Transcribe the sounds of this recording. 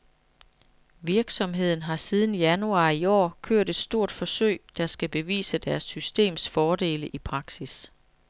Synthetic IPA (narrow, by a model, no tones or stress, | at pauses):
ʋiɐɡ̥sɒ̽mɦe̝ð̞̰ˠn̩ɦɑ̈sið̞ˠn̩jænuɑ̰̈ːiɒ̰ːkʰøɐ̰ɾe̝d̥sd̥o̝ɐ̰d̥fɒ̽søɪ̰d̥ɑ̈sɡ̥æb̥e̝ʋḭːsəd̥æɐsːysd̥e̝̰ːmsfɒːd̥e̝̰ːləʔipʰʁɑ̈ɡ̥sis